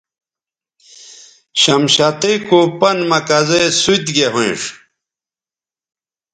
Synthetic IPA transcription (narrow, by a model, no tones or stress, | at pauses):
ɕɐmɕat̪ekupɐnmɐkɐzesut̪ɡeɦuʂ